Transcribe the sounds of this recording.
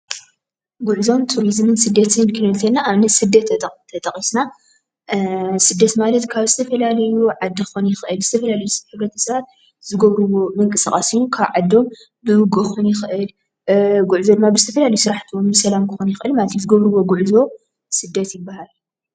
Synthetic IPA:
ɡuʕzo̞mt̪ʰuɾizmɨnsɨd̪ːɐt̪ʰɨnkʰɨnɨlt̪ʰɐlnaʔːβnɐsɨd̪ːɐt̪ʰːt̪ʰːɐt̪ʼɐχʼisna | sɨd̪ːɐt̪malɐt̪kʰaβzɨt̪ʰɐfɐlalɐjuʕad̪ːɨxonjɪxʔɨlzɨt̪ʰɐfɐlalɐjusɡɐt̪ʰɐ̥sɐβat̪̚ | zɨɡɐβɾɨwːo̞mɨŋkʼɨsaχʼasijːukʰaβʕad̪ːo̞m | bɨhɨɡuxonjɪxɨʔɨl | ɡuʕzod̪ɨmːabɨzɨt̪ʰɐfɐlalɐjusɨɾaħt̪ʰomɨsɐlamkʰɨxonjɪxʔɨlmalɐt̪ʰizɨɡɐβɾɨwːo̞ɡuʕzo̞ | sɨd̪ːɐt̪jɪbːahal

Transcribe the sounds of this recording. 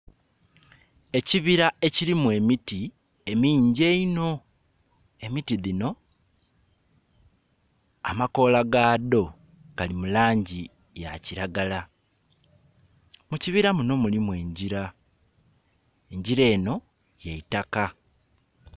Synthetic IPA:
e̞ciβiɾae̞cilimwe̞miti | e̞miːɲɟe̞ino̞ | e̞mitiðino̞ | a̰mako̞ːlaɡaːðo̞ | ɡalimulaːɲɟi | ja̰ciɾaɡala | muciβiɾamuno̞mulimwe̞ːɲɟiɾa | e̞ɲɟiɾe̞ːno̞ | jeitaka

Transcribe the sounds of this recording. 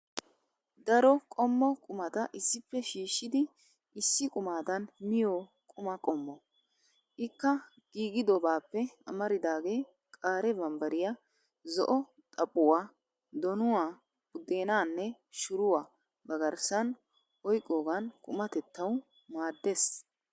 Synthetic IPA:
d̪ɐɾɔkʼɔmːɔkʼʊmɐt̪ɐʔɪsːɪpːɛʃiːʃːɪd̪ɪ | ʔɪsːɪkʼʊmaːd̪ɐnmɪjoː | kʼʊmɐkʼɔmːɔ | ʔɪkːɐ | ɡ̥iːɡɪd̪ɔbaːpːɛɐ̰mɐɾɪd̪aːɡe̞ː | kʼaːɾɛbɐmbɐɾɪja | zɔ̰ʔɔ | t̪ʼɐpʼːʊwaː | d̪ɔnʊwaː | bʊd̪e̞ːnaːnːɛ | ʃʊɾʊwaː | bɐɡɐɾsɐn | ɔjkʼːoːɡɐnkʼʊmɐt̪ɛt̪ːɐw | maːd̪ːeːs

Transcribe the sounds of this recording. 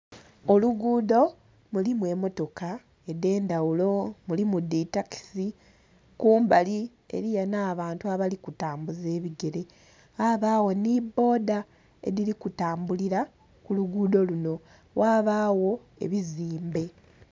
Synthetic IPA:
oluɡuːdo̞ | mulimwe̞mo̞to̞ka | e̞de̞ːndawulo̞mulimuditaki̥si | kuːmbali | e̞̰ɾijanaːβaːntuaβalikutaːmbuze̞ːβiɡe̞ɾe̞ | aβaːwo̞nibːo̞ːda | e̞̰ɾilikutaːmbuliɾa | kuluɡuːdo̞luno̞ | wʔaːβaːwo̞ | e̞̰βiziːmbe̞

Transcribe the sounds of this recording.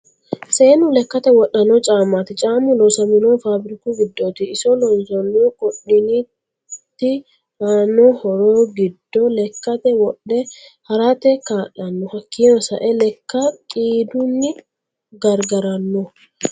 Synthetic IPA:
seːnʊlɛkːɐt̪ɛwɔɗːɐnɔt͡ʃʼaːmaːt̪ɪt͡ʃʼaːmʊlɔsɐmɪnoːfaːbɾɪkuɡɪd̪ːot̪ɪːsɔlɔnzɔnːokɔɗɪni | t̪ːɪ | aːnɔhɔɾoːɡɪd̪ːɔlɛkːɐt̪ɛwɔᶑːɛhɐɾat̪ɛkaːʔɐnːɔhɐkʰːiːnɔsɐ̰ʔɛlɛkːɐkʼiːd̪ʊnːɪ | ɡɐɾɡɐɾɐnːɔ

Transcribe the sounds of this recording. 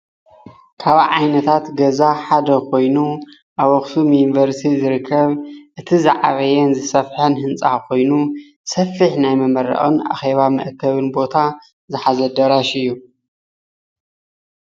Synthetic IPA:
kʰaβʕajnɐt̪ʰat̪ɡɐzaħad̪ɐkʰo̞jnu | ʔaβɔxsumjunivɐɾst̪ʰizɨɾɨkʰːɐβʔɨt̪ʰizaʕaβɐjɛnzɨsɐfħɐnhɨnt͡sʼakʰo̞jnu | sɐfiħnajmɐmɐɾːɐ̰ʔʼɨna̰xe̞βamɨ̰ʔkʰːɐβɨnbo̞t̪ʰa | zɨħazɐd̪ɐɾaʃɨjːu

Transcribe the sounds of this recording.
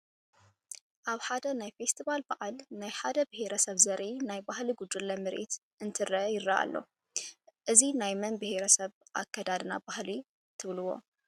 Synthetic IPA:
ʔaβħad̪ɐnajfest̪ʰiβalbaʔalnajħad̪ɐbɨheɾɐsɐβzɐɾʔinajbahliɡud̪ɨlːɐmɨɾʔḭt̪ | ʔɨnt̪ʰɨɾɐjɪrːaʔa̰lːo̞̰ | ʔɨzinajmɐnbɨheɾɐsɐβʔa̰kʰːɐd̪ad̪nabahli | t̪ʰɨβlɨwo̞̰

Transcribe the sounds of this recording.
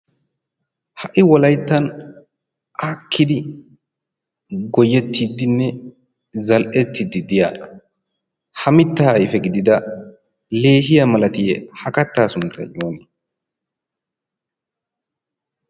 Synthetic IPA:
hɐʔɪwɔlɐjt̪ːɐn | ʔaːkʰːɪd̪ɪ | ɡɔjːɛt̪ːid̪ɪnːɛ | zɐlʔɛt̪ʰːɪd̪ɪd̪ɪja̰ːɐ | hɐmɪt̪ːɐhɐjɪfɛɡɪd̪ɪd̪ɐ | le̞ːɦɪjɐmɐlɐt̪ɪjɛhɐkɐt̪ːaːsʊnt̪ːɐ̰joːn

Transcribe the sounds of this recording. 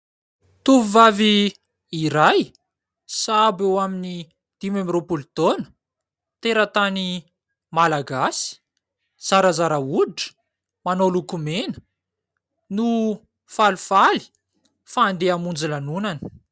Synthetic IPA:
t̪uvuvaviː | ɾaj | sabewamini | d̪̥imamiropult̪onə̥ | t̪eɾat̪ani | malaɡasi̥ | z̥aɾazaɾauɖ͡ʐə̥ | manolukumenə̥ | nu | falufali̥ | faːnd̪eamund͡zilanunanə̥

